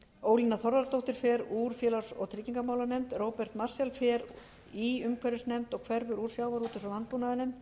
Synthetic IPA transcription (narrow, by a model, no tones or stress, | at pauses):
oːwlinaθɔɾvaɾt̪owht̪ɪɾ̥fɛɾuːɾ̥fjɛːlasɔ̰ɣt̪ʰɾɪcːiŋkamaːwlanɛmt̪roːwpɛr̥t̪marsjɛlfɛɾ | iʏmkʰvɛɾʏsnɛmt̪ɔɣkʰvɛɾvʏɾuːɾ̥sjaːwvaɾuːt̪ʏ̥sɔlant̪̚puːnaðɪnejmt̪